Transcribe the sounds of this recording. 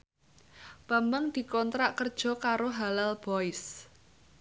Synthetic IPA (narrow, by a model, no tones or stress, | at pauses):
b̥ambəŋd̪̥i̤kɔnt̪ɾaʔkərd̥ʒ̥ɔ̤kaɾoɦalalb̥ɔɪs